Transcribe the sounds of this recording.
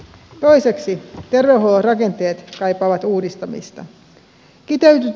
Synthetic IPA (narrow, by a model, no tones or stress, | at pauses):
t̪o̞jse̞ksit̪e̞rʋeuɦholorɑke̞nt̪e̞ːt̪kɑjpɑːʋɑt̪uːdist̪ɑmḭst̪ɑ̰ | kit̪eyt̪y